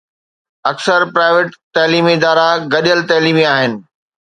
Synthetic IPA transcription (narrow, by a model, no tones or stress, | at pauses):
ɐksəɾpɾaːɪʋeːʈt̪ɐliːmɪd̪aːɾaɡɐɗijəlt̪ɐɦliːmiaːɦɪnɪ̆